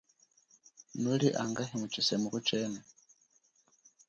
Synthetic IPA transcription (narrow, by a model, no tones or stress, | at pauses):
nuliʔaŋɡaɦimut͡ʃisemukut͡ʃeːna